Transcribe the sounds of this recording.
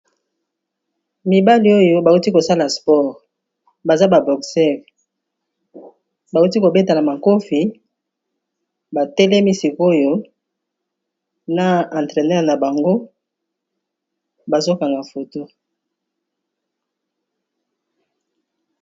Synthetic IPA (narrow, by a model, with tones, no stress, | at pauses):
mi˨ba˦li˦o˦jo˦ba˨u˦ti˦ko˨sa˦la˨spɔ˦˨ʁ | ba˨za˦ba˨bɔ˨ksɛ˦˨ʁ | ba˨u˦ti˦ko˨be˦ta˨na˨ma˨ko˦fi˨ | ba˨tɛ˦lɛ˦mi˦si˨ko˦jo˦ | na˨ã˨ntʁe˨nɛ˦ʁna˨ba˨ŋɡo˦ | ba˨zo˦ka˨ŋɡa˨fo˨to˦